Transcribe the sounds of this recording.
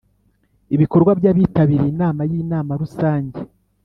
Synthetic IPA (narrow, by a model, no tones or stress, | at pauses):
iβiko̞ɾɡwabjaβiːtaβiɾeinaːmajiːnaːmaɾusaːɲɟe